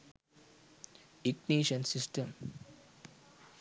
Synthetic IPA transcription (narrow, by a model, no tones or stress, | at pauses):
ikniːʃɐnsisʈɐm